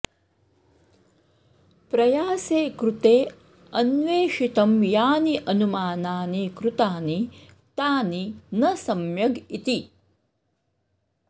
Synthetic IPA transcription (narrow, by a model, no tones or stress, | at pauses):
pɾɐjaːseːkɾut̪eː | ɐnʋeːʂit̪ɐmjaːniʔɐnumaːnaːnekɾut̪aːni | t̪aːninɐsɐmjɐɡit̪i